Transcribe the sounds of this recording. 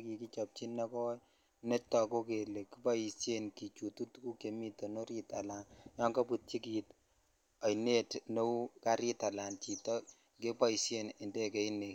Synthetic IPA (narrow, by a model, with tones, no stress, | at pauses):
ki˨ki˦t͡ʃɔ˨p̚t͡ʃi˦nːa˦kɔ˦ | nɛ˦tːɔ˨ko˦ke˨le˨ki˦pa˦ji˨sje˦nki˨t͡ʃu˨tu˦tku˦ke˨mi˦to˨no˦ɾi˦ta˨la˨njɔ˦ŋka˦pu˨t̚t͡ʃi˦kit | a˨ne˦tno˦u˦ka˦ɾi˦ta˨la˨nt͡ʃi˨tɔ˦ | ke˦pa˦i˨sje˦nɪ˨nde˦kɛ˨i˦ne˨